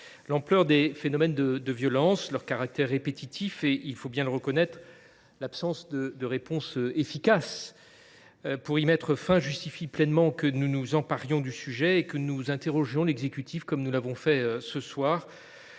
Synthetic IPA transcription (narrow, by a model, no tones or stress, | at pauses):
lɑ̃plœʁd̪efenɔmɛnd̪əd̪əvjɔlɑ̃slœʁkaʁak̚t̪ɛʁːepet̪ʰit̪ʰifeʔilfobjɛ̃ləʁəkɔnɛt̪χ | lapsɑ̃sd̪əd̪əʁepɔ̃søefikas | puʁimɛt̪χəfɛ̃ʒyst̪ifiplɛnmɑ̃kənunuzɑ̃paʁjɔ̃d̪ysyʒɛekənuzɛ̃t̪eʁɔʒjɔ̃lɛɡzekʲyt̪ʰifkɔmnulavɔ̃fɛøsəswaːʁ